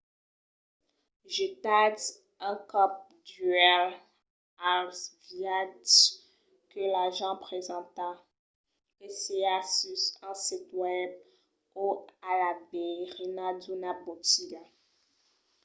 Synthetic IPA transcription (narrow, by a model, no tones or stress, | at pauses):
ʒet̪ad | ɛ̃kɔp̚ | dyɛl | alsvjad | kəlaʒɑ̃pχezɑ̃t̪a | eseasysɑ̃sit̪wɛb̚ | oalabeʁenad̪unabotiɡa